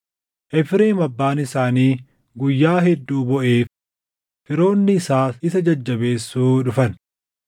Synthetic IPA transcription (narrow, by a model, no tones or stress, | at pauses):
ʔɛfɾeːmɐbːaːnɪsaːniː | ɡʊjːaːɦɛd̪ːuːbɔʔeːf | fɪɾo̞ːnːɪːsaːɪsɐd͡ʒɐd͡ʒːɐbe̞ːsːuːᶑʊfɐn